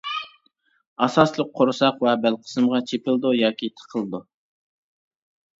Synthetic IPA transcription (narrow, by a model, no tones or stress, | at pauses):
ɑsɑslˠəq̚ʰːoɾsɑqwɛbælqʰə̥sɨmʁɑt͡ʃʰepɪlˠd̪ujɑːkʲit̪ʰə̥qʰəlˠɨd̪u